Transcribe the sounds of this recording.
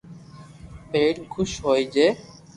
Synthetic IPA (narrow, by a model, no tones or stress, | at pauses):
peʈkʰuʃɦojd͡ʑe